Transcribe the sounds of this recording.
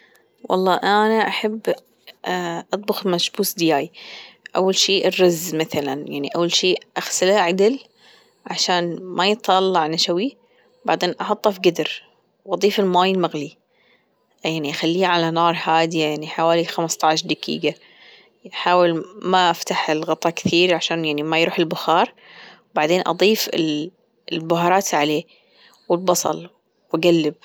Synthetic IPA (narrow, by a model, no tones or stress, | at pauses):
wʔɑ̰lˤːɑːʔanaʔaħabː | ʔɑt̪ˤbʊxmaʃbuːsd̪ɪjaːjʔa̰wːalʃiːʔrːɑzmaθalanjaʕniʔawːalʃiːʔaxsɪlaaʕad̪ɪl | ʕaʃaːnmajɨt̪ˤʰɑlːɑʕnaʃawi | baʕd̪eːnʔɑħɑt̪ˤːɑfiɡad̪ɪɾ | wʔɑðˤiːfɪlmaːjɪlmaɣli | jaʕniʔaxalːiːʕalanɑːɾˤhaːd̪iajaʕniħawaːlixamst̪ˤɑʕʃd̪akḭːɡa | aħaːwɪlmaʔaft̪aħɪlɣɑt̪ˤːɑkθiːɾʕaʃaːnjaʕnimajɾuːħɪlbʊxɑːɾˤ | wbaʕd̪eːnʔɑ̰d̪ˤiːfɪ̰l | lbʊɦɑːɾˤɑːt̪ʕaleː | wɪlbɑsˤɑ̰l | waɡalːɪb̚